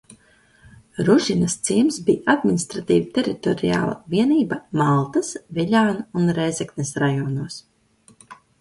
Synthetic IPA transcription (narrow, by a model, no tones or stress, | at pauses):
ɾuʒinɐst̪siːmsbiːad̪̚minʲist̪ɾat̪iːvit̪ʲeɾit̪ɔɾija̰ːlˠa̰viɛniːbamalˠt̪asviʎʲaːnuunɾɛjzɛknesɾajɔːnuɔs